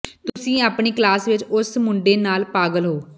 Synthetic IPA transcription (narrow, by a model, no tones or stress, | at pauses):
t̪ʊsĩːaːpɳiːklaːsʋɪt͡ʃʊsmʊɳɖeːnaːlpaːɡəlɦoː